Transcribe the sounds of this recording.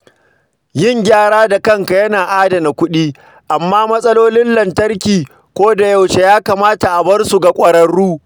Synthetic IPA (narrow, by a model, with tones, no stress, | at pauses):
jɪ˦ŋɡʲaː˦˨ɽaː˦da˨kɐ˦ŋka˨jɐ˦naː˨ʔaː˦da˨na˨kʷʊ˦ɗiː˦ | ʔa˨mːaː˦mɐ˦sʼɐ˦loː˦lɪ˦nlɐ˨ntɐ˦rkʲiː˨ | kʷoː˦da˨jɐ˨wʃe˨jaː˦kaː˨maː˦ta˨ʔa˨bɐ˦rsu˨ɡa˨kʷʼɐ˨ɽɐ˦ɽːuː˦